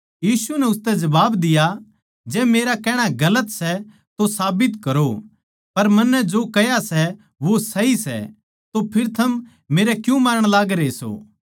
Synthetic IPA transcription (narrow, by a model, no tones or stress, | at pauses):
jiːsunɛʊst̪ɛd͡ʒɐbaːbd̪ɪja | d͡ʒɛːmeːɾakɛːɽ̃aɡɐlət̪sɛ | t̪osaːbɪt̪kɐɾo | pɐɾmɐnːɛd͡ʒoːkɛjasɛ | ʋosɐɦisɛ̰ | t̪opʰɪɾt̪ʰɐm | meːɾɛkjũmaːɾəɽ̃laːɡɾeso̰ː